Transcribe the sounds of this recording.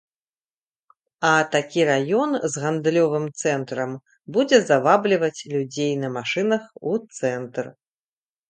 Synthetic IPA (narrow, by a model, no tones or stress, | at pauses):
ɐt̪akʲiɾajɔnzɣand̪lʲɔvɨmt̪sɛnt̪ɾɐm | bud͡zʲɛzavablʲivɐt͡sʲlʲud͡zʲejnɐmaʂɨnɐxut̪sɛnt̪r